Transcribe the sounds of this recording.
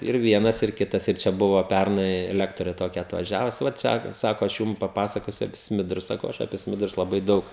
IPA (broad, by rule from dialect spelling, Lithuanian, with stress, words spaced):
ɪr ˈʋʲiɛnɐs ɪr ˈkʲɪtɐs ɪr ˈt͡ʃʲɛ ˈbʊʋoː ˈpʲærnɐɪ ˈlʲæːktoːrʲeː toːˈkʲɛ ɐtʋɐˈʒʲæːʋʊs ʋɐ ˈt͡ʃʲɛ ˈsɑːkoː ɐʃ ˈjuːm pɐˈpɑːsɐkoːsʲʊ ɐpʲɪ ˈsʲmʲɪdrʊs ˈsɑːkɐʊ ˈɐʃ ɐpʲiɛ ˈsʲmʲɪdrʊs lˠɐˈbɐɪ ˈdɐʊk